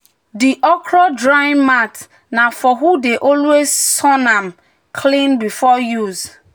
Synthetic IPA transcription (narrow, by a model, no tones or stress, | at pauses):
diʔɔkʰɹɔdɹaɪmat | nafɔɦudeʔɔlwezsɔnãm | kʰlĩnbifɔjuz